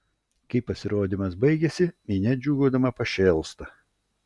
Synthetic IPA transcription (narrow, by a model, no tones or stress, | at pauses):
kɐɪpːɐsʲɪɾoːd̪ʲɪmɐsbɐɪɡʲɛsʲɪmʲinʲɛd͡ʒʲuːɡoːd̪ɐmɐpɐʃʲɛːlˠst̪ɐ